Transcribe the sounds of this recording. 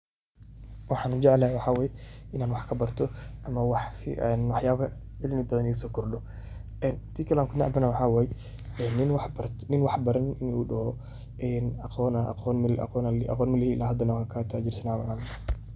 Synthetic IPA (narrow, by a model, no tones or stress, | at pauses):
wɑħɑːnʊd͡ʒɛʕlawɑħaːwɛːjɛʔɪnaːnwɑħkʰɐbɐrt̪ʰɔʔɐmɐwɑħfɛnwɑħjaːβɐʕɪlmɪbɐðɐnɪsɔːkʰɔrdɔ | ʔɛːnt̪ʰiːkʰɐlaːŋkʰʊnaʕa̰bɐnaːwħaːwɛjɛ | ɛːnːɪnwɑħbɐɾnɪnwɑħbɐɾɐnɪnuɗɔhɔ | ʔɛːnɐqɔːn̰qɔnlɐ̰qɔːnɐ̰qɔːnmɪlɪiɪlaːɦɐd̪ɐnɐwkʰat̪ʰad͡ʒɪɾsɐnaːmɐʔaːn